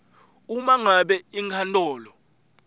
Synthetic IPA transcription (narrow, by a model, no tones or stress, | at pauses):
umaŋaɓɛiŋkʰantʼɔːlɔ